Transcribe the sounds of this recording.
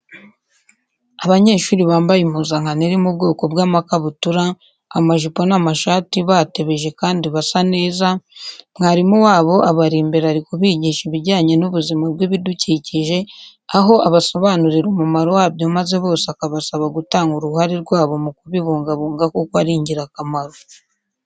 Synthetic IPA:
aβaɲe̞ːʃuːɾiβaːmbajim̥huːzaŋhaniɾimubɡo̞ːko̞bɡaːmakaβutuɾa | amaʒipo̞namaʃaːtiβate̞βe̞ʒe̞kaːndiβasane̞ːzaŋ̥haɾimuwaːβo̞ʔaβaɾiːmbeɾaɾikuβiːɟiːʃiβiɟaːɲe̞nuβuzimab̚ɡwiβiduciːciʒe̞ | aɦo̞ʔaβaso̞βanuɾiɾumumaɾo̞waːbjomaze̞βo̞ːseakaβasaβaɡutaːŋɡuɾuɦaɾiɾɡwaːβo̞mukuβiβuːŋɡaβuːŋɡakokaɾiːɲɟiɾakamaɾo

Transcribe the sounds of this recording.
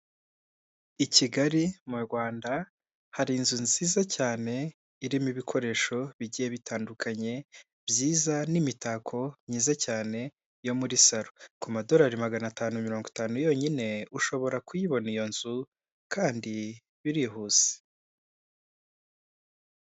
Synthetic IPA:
iciɡaɾimuɾɡwaːnda | haɾinzunziːzacaːne̞ | iɾimiβikʰo̞ɾe̞ːʃo̞βiɟijeβitʰaːndukʰaɲe̞ | bjiːzanimitaːkʰo̞mɲiːzacaːne̞ | jo̞muɾisaɾokumado̞ɾaɾimaɡanataːnumiɾo̞ːŋɡotaːnujo̞ɲine̞uʃo̞βo̞ɾakujiβo̞nijo̞nz̥u | kʰaːndi | βiɾiɦuːz̥e̥

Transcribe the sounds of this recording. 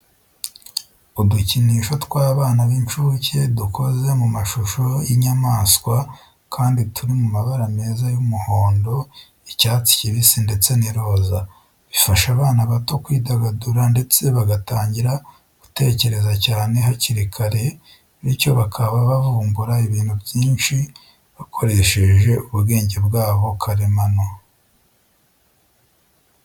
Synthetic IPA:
uduciniːʃo̞twaːβaːnaβint͡ʃuce̞duko̞ze̞mumaʃuʃo̞jiɲamaːskwa | kʰaːnditʰuɾimumaβaɾame̞ːzajumuho̞ːndo̞ | icaːt͡si̥ciβisinde̞t͡se̞niɾo̞ːza | βifaʃaβaːnaβato̞kwiːdaɡaduɾande̞t͡se̞βaɡataːɲɟiɾa | ɡ̥ute̞ːce̞ɾe̞zacaːne̞ɦaciɾikʰaɾe̞ | βico̞βakʰaβaβavuːmbuɾaiβiːn̥hubjiːnʃi | βakʰo̞ɾe̞ʃe̞ʒe̞uβuɡe̞ːɲɟe̞bɡaːβo̞kʰaɾemano

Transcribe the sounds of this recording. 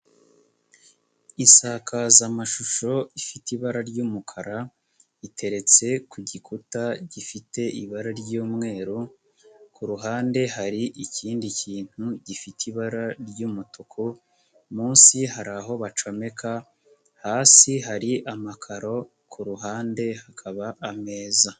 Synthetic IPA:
insakʰazamaʃuʃo̞ifitiβaɾaɾɟuːmukʰaɾa | itʰe̞ɾe̞t͡se̞kuɟikʰutaɟifite̞ʔiβaɾaɾɟuːmŋe̞ːɾu | kʰuɾuɦaːnde̞ɦaɾiʔiciːndiciːn̥huɟifitiβaɾaɾɟumutʰokʰo | muːnsihaɾaɦo̞βat͡ʃo̞me̞kʰa | haːsiɦaɾiʔamakʰaɾo̞ | kʰuɾuɦaːnde̞hakʰaβaʔːme̞ːza

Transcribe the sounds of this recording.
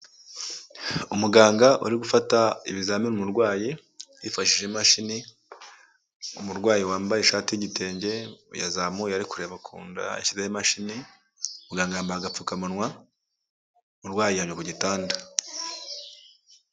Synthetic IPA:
umuɡaːŋɡaʔṵɾiɡufataiβizaːminumuɾɡwaːji | jifaʃiʒemaʃini | umuɾɡwaːjiwaːmbajeʃaːtijiɟite̞ːɲɟe̞ja̰zamujaɾikuɾe̞βakʰṵːnda̰ḛʃizehemaʃini | umuɡaːŋɡajambaaɡap͡fukamanwa | muɾɡwaːjijaɲokuɟitaːnda

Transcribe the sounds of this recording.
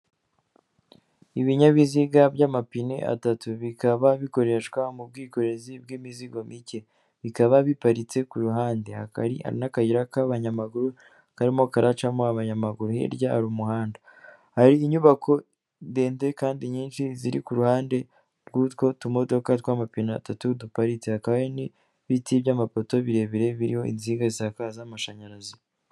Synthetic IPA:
iβiɲaβiziɡabɟaːmapinḛʔa̰tatuβikaβaβiko̞ɾe̞ʃkwamub̚ɡiːko̞ɾe̞zib̚ɡimiziɡo̞mice̞ | βikaβaβipaɾit͡se̞kuɾuɦaːnde̞ha̰ka̰ɾḭha̰ɾḭnakajiɾakaβaɲamaɡuɾu | kaɾimo̞kaɾat͡ʃamoaβaɲamaɡuɾuhḛɾɟahaɾumuhaːnda | haɾiːɲuβakʰo̞ | de̞ːnte̞kaːndiɲiːnʃiziɾḭkuɾuhaːnde̞ | ɾɡutko̞tumo̞do̞katwaːmapina̰ːtatudupaɾit͡se̞hakaβaeni | βitibɟaːmapo̞to̞βiɾe̞βiɾe̞βiɾiho̞ḭnziɡazakaːzamaʃaɲaɾazi

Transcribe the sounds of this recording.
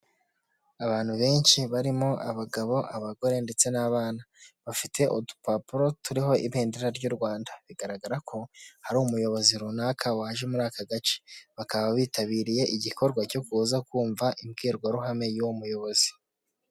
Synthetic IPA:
aβaːn̥huβe̞ːnʃiβaɾimo̞ʔaβaɡaβo̞ʔaβaɡo̞ɾe̞nde̞t͡se̞naːβaːna | βafitʰe̞ʔotu̥papuɾo̞tuɾiɦo̞iβeːndeɾaɾɟuɾɡwaːndaβiɡaɾaɡaɾakʰo̞haɾumujo̞βo̞ziɾunakʰaahaʒemuɾaːkaɡat͡ʃe̥βakaβaβiːtaβiːɾije̞ʔiɟiko̞ɾɡwaco̞kuːzakuːɱvaʔimɡiːɾɡwaɾuɦame̞juwomujo̞βo̞zi̥

